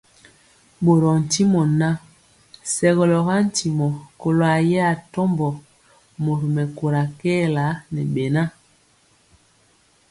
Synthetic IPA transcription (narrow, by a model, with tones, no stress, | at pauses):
ɓo˨ɾɔ˨n̩˨ti˦mɔ˨na˦ | sɛ˨ɣɔ˨lɔ˨ɣa˦n̩˨ti˨mɔ˨ko˨lo˨a˨jɛ˦a˦˨tɔ˦mbɔ˨ | mo˨ɾu˨mɛ˨ko˨ɾa˨kɛː˦la˨˦nɛ˨ɓe˨na˦